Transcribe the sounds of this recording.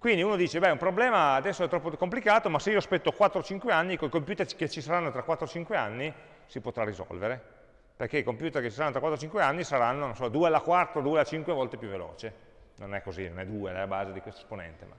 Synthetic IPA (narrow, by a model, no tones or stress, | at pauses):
kwind̪iuːnod̪iːt͡ʃebɛumpɾoblɛːmaːd̪ɛsːoɛt̪ɾɔpːokomplikaːt̪omaseiːoaspɛt̪ːokwat̪ːɾot͡ʃiŋkweanːikojkompjuːt̪erket͡ʃːisaɾanːot̪ɾakːwat̪ːɾot͡ʃiŋkweanːi | sipot̪ɾarːizɔ̰lveɾe | perkeikompjuːt̪erket͡ʃisaɾanːot̪ɾakwat̪ɾot͡ʃiŋkweanːisaɾanːonosɔd̪uːealakwart̪od̪uːelat͡ʃiŋkwevɔlt̪epjuvːelo̰ːt͡ʃe | nonɛkːozinonɛd̪uːeaabaːzed̪ikwest̪oesponɛ̰nt̪ema̰